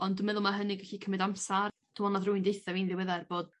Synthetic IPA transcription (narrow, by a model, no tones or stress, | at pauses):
ɔndʊmɛðʊlˠmaɦənɪɡvɛɬikʰəmɨdamsa | d̥uɔnaðrʊːɨndejθɛviːnðɪwɛðɛrb̥oːd̥